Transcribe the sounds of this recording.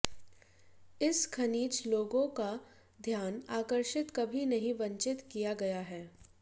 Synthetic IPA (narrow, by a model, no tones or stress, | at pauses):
ɪskʰɐniːt͡ʃloːɡõka | d̪ʱjaːnaːkəɾʃɪt̪kɐbʱinɐɦĩʋɐ̃ɲt͡ʃɪt̪kijaɡɐjaɦɛː